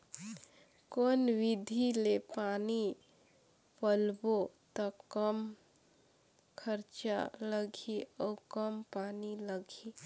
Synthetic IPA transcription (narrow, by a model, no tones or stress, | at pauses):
koːnwɪd̪ʱilepaːni | pəlbot̪əkəm | kʰəɾt͡ʃa̰ləɡʱiɔkəmpaːniləɡʱi